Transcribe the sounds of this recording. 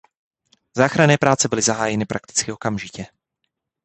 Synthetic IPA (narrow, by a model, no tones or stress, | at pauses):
zaːxɾanɛːpɾaːt͡sɛbɪlɪzaɦaːjɛnɪpɾʔa̰k̚t̪ɪ̥t͡skɪo̞kamʒɪcɛ